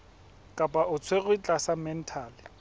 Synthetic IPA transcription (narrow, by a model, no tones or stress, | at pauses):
kʼapʼaʔʊt͡sʰweɣʊit͡ɬʼasamɛn̩tʰaːlɪ